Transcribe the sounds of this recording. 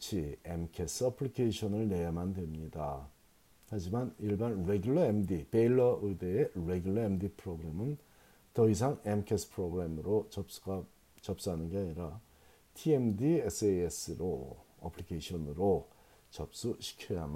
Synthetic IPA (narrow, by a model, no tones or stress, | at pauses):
t͡ɕʰiemkʰes͈ʰɯʌpʰɯɭikʰeɕʰʌnɯɭne̞jamandwe̞mɲida | had͡ʑimaniɭbanɾe̞ɡjuɭːʌemdipe̞iɭːʌʔɯdeeɾe̞ɡjuɭːʌemdipʰɯɾoɡɯɾemɯn | tʌis̬ʰaŋemkʰesʰpʰɾoɡɯɾemɯɾot͡ɕʌp̚s͈u̥ɡa | t͡ɕʌp̚s͈anɯnɡe̞aɲiɾa | tʰiemdies͈ʰees͈ɯɾo | ʌ̰pʰlikʰeɕʰʌnɯɾo | t͡ɕʌp̚s͈uɕʰi̥kʰʌjam